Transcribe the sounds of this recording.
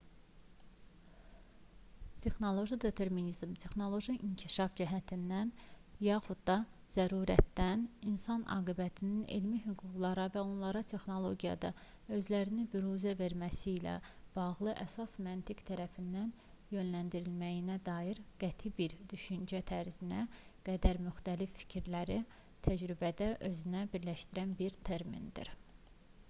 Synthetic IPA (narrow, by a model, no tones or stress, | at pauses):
t̪ʰe̞xno̞lˠo̞ʒid̪e̞t̪ʰe̞ɾminizmt̪ʰe̞xno̞lˠo̞ʒiʔiŋcʰiʃɑfd͡ʒæɦæt̪ʰind̪ænjɑːxud̪d̪ɑz̥æɾuːɾæt̪ːæninsɑnɑ̰ːɡibæt̪ʰininḛlmiɦyɡuɡlˠɑɾɑvæo̞nlˠɑɾɑt̪ʰe̞xno̞lˠo̞ɡijɑ̰d̪ɑ | ø̞zlæɾinibyɾuzæve̞ɾmæsiːlæ̰b̥ɑɣlˠɯʔæsɑsmænt̪ʰikt̪ʰæɾæfind̪æn | jø̞nlænd̪iɾilmæjinæd̪ɑːjiɾɡ̥æt̪ʰibiɾd̪yʃynd͡ʒæt̪ʰæɾzinæɡ̥æd̪æɾmyxt̪ælifːi̥cʰiɾlæɾi | t̪ʰæd͡ʒɾybæd̪æʔø̞zynæbiɾlæʃt̪iɾænbiɾt̪ʰeɾmḭnd̪ḭɾ